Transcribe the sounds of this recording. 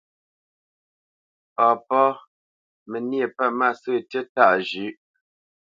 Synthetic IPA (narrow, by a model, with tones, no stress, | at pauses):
ɔ˨pɔ˦ | mə˨nje˨pa˦˨ma˦˨sə˦˨tə˦ta˦˨ʔd͡ʒʉ˨˦ʔ